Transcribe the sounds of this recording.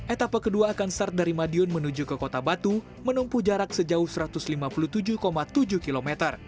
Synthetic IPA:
ʔɛt̪apəkəduaːkansart̪̚daɾimadiʊnmənud͡ʒukəkot̪abat̪u | mənumpuhd͡ʒaɾak̚səd͡ʒaʊhsəɾat̪ʊslimapulut̪ud͡ʒukomat̪ud͡ʒuhkilomɛt̪ər

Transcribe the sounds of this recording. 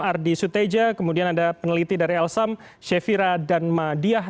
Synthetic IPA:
ardisut̪ed͡ʒakəmudianadapənəlit̪idaɾiɛlsam | ʃefiɾadanmadia

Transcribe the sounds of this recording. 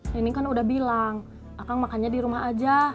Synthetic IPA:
inikanudahbilaŋ | akaŋmakaɲadiɾumaɦad͡ʒa

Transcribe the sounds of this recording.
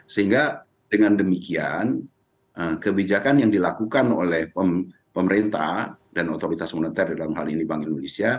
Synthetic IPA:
səhiŋɡa | dəŋandəmikian | ʔəkəbid͡ʒakanjaŋdilakukano̰lɛhpə | pəməɾent̪a̰hdanot̪oɾit̪asmonit̪ɛrdaalamha̰linibaŋɪnmunesia

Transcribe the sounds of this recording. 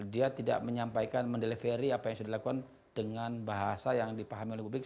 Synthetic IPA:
diat̪ida̰ʔməɲampajkanməndelefeɾiapajaŋsudahlakukan | d̥əŋanbaɦasajaŋdipaɦamioleɦpublɪk̚

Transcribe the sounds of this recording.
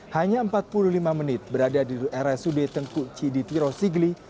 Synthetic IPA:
haɲaəmpat̪̚pululimamənɪt̪̚bəɾadadiʔɛɾɛsudet̪əŋkuʔt͡ʃidit̪iɾɔsiɡli

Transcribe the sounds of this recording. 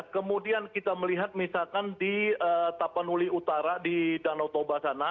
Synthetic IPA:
kəmudiankit̪aməliɦat̪̚misakandiət̪apanuliut̪aɾadidanɔt̪obasana

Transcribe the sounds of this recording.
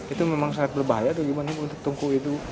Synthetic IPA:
it̪umemaŋsaŋat̪̚bərbaɦajat̪uɡimaniunt̪ʊk̚t̪uŋkuit̪u

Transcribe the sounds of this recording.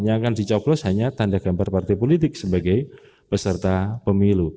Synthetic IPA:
ɲakandit͡ʃɔblɔshaɲat̪andaɡ̥ambarpart̪ɛpolit̪ɪk̚səbaɡaj | pəsərt̪apəmilu

